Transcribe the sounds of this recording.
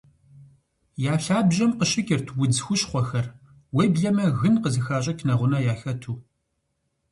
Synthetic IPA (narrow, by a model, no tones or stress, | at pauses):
jaːɬaːbʑɐmqəɕɪkʲʼɪrtʰwʊd͡zxʷʊɕχʷɔxɐr | weːbɮɐmɐɣɨnqəzɨxaːɕ̬ʼɐkʰnɐʁʷʊnɐjaːxɐtʰuː